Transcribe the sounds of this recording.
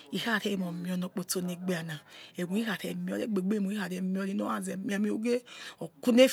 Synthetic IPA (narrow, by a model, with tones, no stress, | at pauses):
i˨ha˦˨te˦i˧˨mo˨mĩ˧˨ɔ˨˧no˧˨k͡po˧to˧ne˧ɡ͡be˧˨a˨na˨e˨ɡu˨˦i˦ha˨tɛ˨mi˨˧ɔ˧le˦ɡ͡be˨ɡ͡be˦˨mu˨˦i˦ha˨tɛ˧˨mi˦ɔ˧li˧˦no˦a˦˨zɛ˨mi˨˦a˧mi˧˦o˦ɡe˦ɔ˨ku˦ne˦